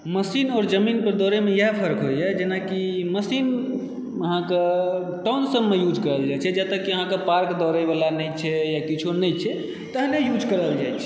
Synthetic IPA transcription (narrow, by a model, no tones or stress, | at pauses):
məsinɔːɾd͡ʒəminpəɾd̪ɔɾemejeɦpʰəɾkɦojjɛd͡ʒenakiməsin | əɦãke | ʈɔnsəbːejud͡ʒʱkəɾəld͡ʒajt͡ʃʰɛd͡ʒɛt̪əkːiəɦãkepaɾkd̪ɔɾəjbalanɛjt͡ʃʰɛjakit͡ʃʰonɛt͡ʃʰɛ | t̪əɦnejud͡ʒkəɾəld͡ʒajt͡ʃʰɛ̥